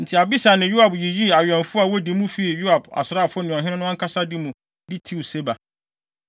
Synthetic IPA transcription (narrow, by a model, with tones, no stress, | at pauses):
n̩˨tʰɪ˨a˨bi˦sa˨nɪ̃˨ju˦a˨bji˨ji˦a˨ɥᶣɛ̃˨nfʊ˦a˨wɔ˦di˨˦mũ˦fe˨i˨ju˦a˨ba̰˨sɾaː˦˨fʊ˦nʊ̃˨ɦɪ̃˦nɪ̃˦nʊ̃˦a˦ŋ˦kʰa˦sa˦dɪ˦mũ˨ | dɪ˦tʰi˦˨wse˦ba˨